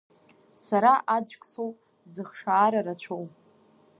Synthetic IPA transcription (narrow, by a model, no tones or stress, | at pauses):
saɾaʔad͡ʒʷkʼsow | zɨχʂaːɾaɾat͡ɕʷʰow